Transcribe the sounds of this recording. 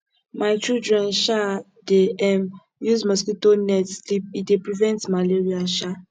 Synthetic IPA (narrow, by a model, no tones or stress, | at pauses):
maɪt͡ʃɹudɹɛ̃nʃa | deɛm | juzmɔskitonɛtslip̚idepɹivɛ̃ntmaleɹiaʃa